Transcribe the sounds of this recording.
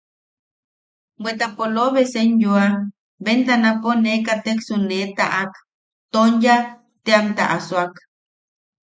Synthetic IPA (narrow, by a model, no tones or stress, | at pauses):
bwet̪apoloβesenjua | bent̪anaponekat̪eksunet̪a̰ʔak | t̪onja | t̪eamt̪a̰ʔaswak